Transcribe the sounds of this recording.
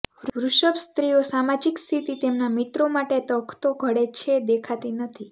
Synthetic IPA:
ʋʋɾuʃəbst̪ɾijosamad͡ʒikst̪ʰit̪it̪emnamit̪ɾomaʈet̪əkʰt̪oɡʱəɽet͡ʃʰed̪ekʰat̪inət̪ʰi

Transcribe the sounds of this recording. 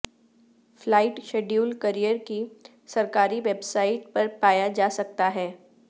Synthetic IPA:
flaːɪʈʃeːɖjuːlkɐɾijəɾki | sɐɾkaːɾiʋebsaːɪʈ̚pɐɾpaːjad͡ʒaːsɐk̚t̪aɦɛː

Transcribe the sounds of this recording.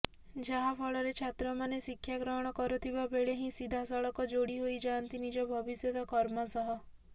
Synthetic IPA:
d͡ʒaɦapʰɔɭɔɾet͡ʃʰat̪ɾɔmanesikʰːjakɾɔɦɔɽ̃ɔkɔɾɔt̪ʰibabeɭeɦĩsid̪ʱasɔɭɔkɔd͡ʒoɽiɦoid͡ʒant̪inid͡ʒɔbʱɔbisjɔd̪ɔkɔɾmɔsɔɦɔ

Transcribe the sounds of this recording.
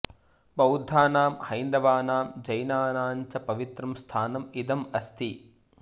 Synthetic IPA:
bɐwd̪ʱːaːnaːmhɐjnd̪ɐʋaːnaːmd͡ʒɐjnaːnaːɲt͡ʃɐpɐʋit̪ɾɐmst̪ʰaːnɐmid̪ɐmɐst̪ʰi

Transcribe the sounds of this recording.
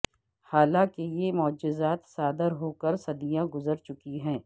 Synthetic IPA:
haːlãkejemʊd͡ʒɪzaːt̪saːd̪əɾɦoːkəɾsɐd̪ijãɡʊzəɾt͡ʃʊkiɦɛ̃ː

